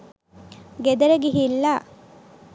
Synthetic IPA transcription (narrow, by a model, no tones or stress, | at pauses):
ɡed̪ɐɾɐɡiɦilːa